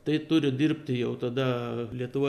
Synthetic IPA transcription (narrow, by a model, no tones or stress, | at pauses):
t̪ɐɪt̪ʊɾʲɪdʲɪɾʲpʲt̪ʲɪjɛʊt̪ɐd̪ɐlʲiɛt̪ʊʋoː